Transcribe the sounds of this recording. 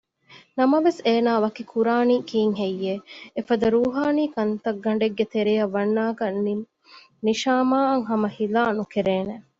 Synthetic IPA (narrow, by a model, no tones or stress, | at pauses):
nɐmɐʋeseːnaːʋɐkikʰuɾaːniːkiːŋɦejːeːfɐd̪ɐɾuːɦaːniːkɐnt̪ɐɡːɐɳ̆ɖeɡːet̪eɾijɐʋːɐnːaːkɐ | niʃaːmaːɐŋɦɐmɐhilaːnukeɾeːne